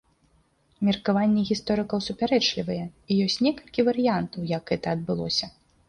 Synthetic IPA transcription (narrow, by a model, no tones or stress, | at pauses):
mʲirkavanʲːɛɣʲist̪ɔɾɨkɐwsupʲaɾɛt͡ʂlʲivɐjɛijɔsʲt͡sʲnʲɛkɐlʲkʲivɐɾɨjant̪ɐwjɐkɣɛt̪ɐɐd̪̚bɨlˠɔ̰sʲɐ